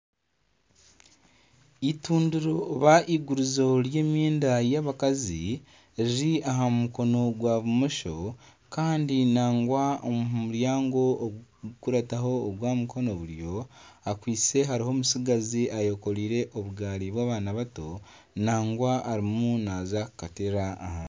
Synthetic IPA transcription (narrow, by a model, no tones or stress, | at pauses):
ituːnduɾoβaʔiɡuɾuzo̞ɾje̞ːmjeːndajaːβakazi | iɾiaɦamuko̞no̞ɡwaβumoʃo̞ | kaːndinaːŋɡwaommuɾjaːŋɡo̞ɡkuɾataɦo̞ːɡwaːmukʰo̞no̞βuɾjo̞akwiːt͡se̞ɦaɾiho̞ːmusiɡaziajo̞ko̞ɾiːɾe̞ʔoβuɡaːɾiβwaːβaːnaβato̞ | naːŋɡwaːɾimunaːzakkateɾa̰ːhaː